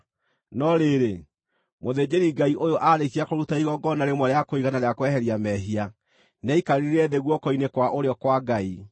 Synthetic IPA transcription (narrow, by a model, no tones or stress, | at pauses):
nɔɾeɾe | moðed͡ʑeɾiɡaiʔojoʔaɾek̬iakoɾutaiɣɔɡɔnaɾemwɔɾeakoiɣanaɾeakwɛhɛɾiamɛɦia | nɛikaɾiiɾɛðeɣwɔkɔinekwaʔoɾeɔkwaɡai